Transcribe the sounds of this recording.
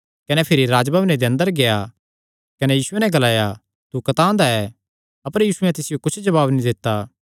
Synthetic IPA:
kɐnɛpʰɪɾiɾaːd͡ʒbaːbned̪eɐ̃nd̪əɾɡeja | kɐnɛjiːsʊenɛ̃ɡɐlaːja | t̪ukɐt̪ãːnd̪aɛ | ɐpəɾjiːsʊɛ̃t̪ɪsɪjokʊt͡ʃʰd͡ʒɐβaːbnĩd̪ɪt̪ːa

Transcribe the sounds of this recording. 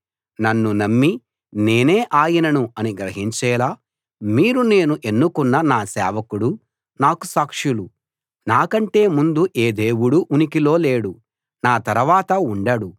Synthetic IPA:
nɐnːunɐmːi | ne̞ːneːʔaːjinɐnuɐniɡɾɐɦiɲt͡ʃɛːlaː | miːɾune̞ːnuʔe̞nːukunːɐnaːsɛ̰ːʋɐkuɽu | naːkusaːkʂulu | naːkɐɳʈe̞ːmund̪uʔeːd̪eːwuɽuʔunikilo̞ːle̞ːɽu | naːt̪ɐɾɐʋaːt̪ɐuɳɖɐɽu

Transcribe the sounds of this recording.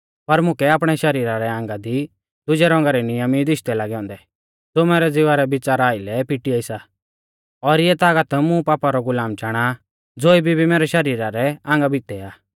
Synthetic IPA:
pɐɾmʊkɛaːpɽ̃ɛʃɐɾiːɾaɾɛãːŋɡad̪i | d̪ʊd͡ʒɛɾɔ̃ːŋɡaɾɛnɪjəmid̪ɪʃt̪ɛlaːɡɛɔ̃ːnd̪ɛ | d͡z̪omɛːɾɛd͡zɪʋaɾɛbɪt͡saɾaːilɛpɪʈiaɪsa | ɔɾɪjɛt̪aːɡət̪mʊ̃paːpaɾɔɡʊlaːmt͡ʃaːɽ̃a | d͡zoːibʱibʱimɛːɾɛʃɐɾiːɾaɾɛãːŋɡabʱɪt̪ɛaː

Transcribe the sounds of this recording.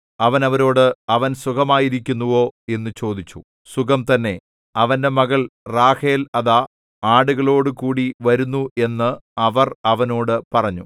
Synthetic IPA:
ɐʋɐnɐʋɐɾo̞ːɽɨɐʋɐnsukɐmaːjiɾikʲːunːuʋo̞ːe̞nːut͡ɕo̞ːd̪it͡ɕːu | sukɐmt̪ɐnːe̞ | ɐʋɐnde̞mɐɣɐɭraːhe̞ːlɐða | aːɽuɣɐɭo̞ːɽɨkuːɽiʋɐɾunːue̞nːɨɐʋɐrɐʋɐno̞ːɽɨpɐrɐɲːṵ

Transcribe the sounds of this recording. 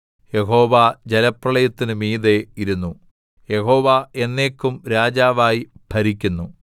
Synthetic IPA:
je̞ɦo̞ːʋad͡ʑelɐprɐɭɐjɐt̪ːinɨmiːðe̞iɾunːu | je̞ho̞ːʋae̞nːe̞ːkʲːumɾaːd͡ʑaːʋaːjibʱɐɾikʲːunːu

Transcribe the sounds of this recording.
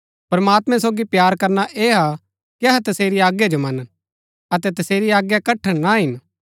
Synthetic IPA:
pɐɾmaːt̪mɛ̃s̬oːɡipjaːɾkɐɾnaʔeːɦa | kiɐɦɛt̪ɐseːɾiaːɡjad͡ʒomɐn | ɐt̪ɛt̪ɐseːɾiaːɡjakɐʈʰːəɽnaɦɪn

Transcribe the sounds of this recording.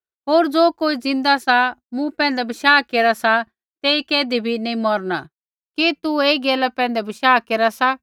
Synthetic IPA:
ɦoːɾd͡zoːkoːid͡zɪ̃nd̪asamũpɛ̃ːnd̪ɛbɪʃaːkeːɾasa | t̪eːikɛːd̪ibʱinɐĩmɔɾna | kit̪ueːiɡeːlapɛ̃ːnd̪ɛbɪʃaːkeːɾasa

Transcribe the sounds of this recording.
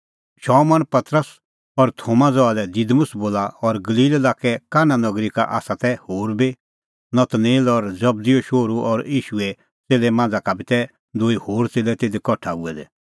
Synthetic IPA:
ʃɔːmɔnpɐt̪ɾəs | ɔɾt̪ʰoːmãd͡zɔalɛd̪id̪mʊsboːlaɔɾɡɐliːlelaːkɛkaːnanɔɡɾika̰ʔa̰ːsat̪ɛhoːɾbi | nɐt̪neːlɔɾd͡zɐb̚d̪ioʃoːɾuʔɔɾiːʃuɛ | t͡seːlɛmãːnd͡zakabit̪ɛ | d̪oːihoːɾt͡seːlɛt̪eːd̪ikɔʈʰauɛd̪ɛ̰

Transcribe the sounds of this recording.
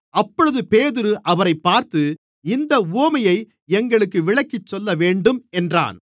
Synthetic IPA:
ɐpːɔɻɯðɯpeːðɪɾɯʔɐʋɐɾɐɪpːaːɾt̪ɯ | ɪnd̪ɐuːɐmɐjɐɪ | ɛŋɡɐɭɯkːɯʋɪɭɐkːɪt͡ʃːɔlːɐʋeːɳɖɯmɛndra̰ːn

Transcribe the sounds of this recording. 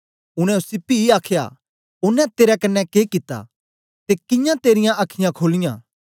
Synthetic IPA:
ʊɽ̃ɛ̃ʊsɪpːiiaːkʰja̰ | ʊnɛ̃t̪eːɾɛkɐnːɛkeːkɪt̪ːa̰ | t̪ekɪ̃jãt̪eːɾɪjãʔɐkʰɪjãkʰoːlɪjã̰ː

